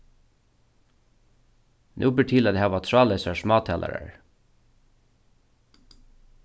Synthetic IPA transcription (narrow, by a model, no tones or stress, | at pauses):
nʔʉ̰ːbəʈʰɪːlɑd̪ehæːʋɑːt̪ʰɹɑːlesəʃmɑːt̪ʰɛlʔə̰ɾə̰ɹ